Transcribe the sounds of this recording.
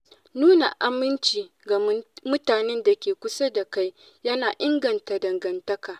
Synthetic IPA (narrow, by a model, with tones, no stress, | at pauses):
nuː˦na˨ʔa˦mɪ˦nt͡ʃiː˨ | ɡa˨mʊ˦taː˨nɛ˦nda˨kʲeː˨kʷʊ˦sa˦da˨ka˦j | jɐ˦naː˨ʔɪ˦ŋɡɐ˨nta˨dɐ˨ŋɡɐ˨ntɐ˦kaː˨